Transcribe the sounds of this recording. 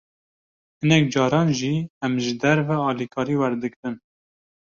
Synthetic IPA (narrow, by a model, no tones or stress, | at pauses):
hɨnɛk̚d͡ʒɑːɾɑːnʒiɛmʒɨd̪æɾvɛɑːlikʰɑːɾiːwæɾd̪ɨkɾɨn